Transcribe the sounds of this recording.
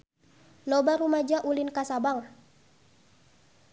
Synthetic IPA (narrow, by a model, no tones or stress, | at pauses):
lɔbaɾumad͡ʒaʔulinkasabaŋ